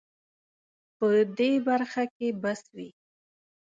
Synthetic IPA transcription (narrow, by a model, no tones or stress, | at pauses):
pəd̪ebaɾxakebaswi